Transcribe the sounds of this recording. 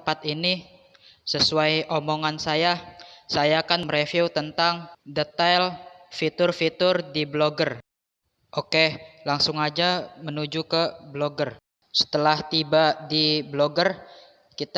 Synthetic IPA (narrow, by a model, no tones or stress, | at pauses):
pat̪ini | səsuajʔomoŋansajasajakanməɾefuut̪ənt̪aŋdet̪alfit̪ʊrfit̪ʊrdibloɡər | ʔokelaŋsʊŋad͡ʒamənud͡ʒukəbloɡər | sə̥t̪əlaht̪ibadibloɡər | kit̪